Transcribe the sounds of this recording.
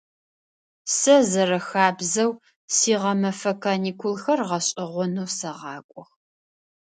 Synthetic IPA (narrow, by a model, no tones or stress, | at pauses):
sɐzɐrɐxaːbzɐw | siːʁɐmɐfɐkʰaːniːkʰulxɐrʁɐɕʼɪʁʷɔnuwsɐʁɑːkʷʼɔx